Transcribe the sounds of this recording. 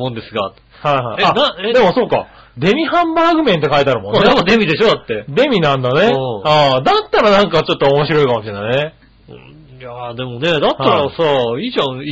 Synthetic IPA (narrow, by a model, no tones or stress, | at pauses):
mõnd̪e̞sɨɡa | haiɦaianad̪e̞mo̞so̞ːka̰ | d̪e̞mʲihãmbaːɡɯ̟mẽ̞nt̪ːe̞kait̪aɾɯ̟mõ̞nːd̪emod̪e̞mʲid̪e̞ɕo̞ːd̪at̪ːe̞d̪e̞mʲinãnd̪ane̞aːd̪at̪ːaɾanãŋkat͡ɕo̞t̪ːoːmo̞ɕiɾo̞ikamo̞ɕĩnːanẽ | jad̪e̞mo̞ne̞d̪at̪ːaɾasaiːd͡ʑã